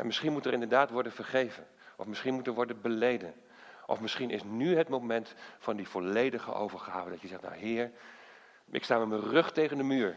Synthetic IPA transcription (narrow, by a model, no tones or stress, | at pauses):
ʔɛ̰nmɪsχinmutərɪndəɹdaːtʋɔɹdənvəɹχejvən | ʔɔ̰fmɪsχinmutəɹʋɔɹdənbəlejdən | ʔɔ̰fmɪsχinɪsnyɦətmowmɛntfɑndiv̥ɔlejdəχə̰ʔo̰wvəɹχaːvəndɑtjəzɛχtna̰wɦɪːɹ | ʔɪ̰kstaːmɛmərɵχtejχəndəmyːɹ